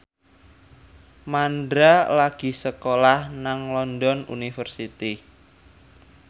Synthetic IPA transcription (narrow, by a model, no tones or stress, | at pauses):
mandɾalaɡ̥i̤səkolahnaŋlɔndɔnṵnifərsit̪i